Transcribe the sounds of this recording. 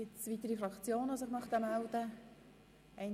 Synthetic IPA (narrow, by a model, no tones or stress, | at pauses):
ɪt͡svit̪əɾifɾɑkt͡sjoːnɑsəχnɑχt̪əmæld̪ə | ɛɪn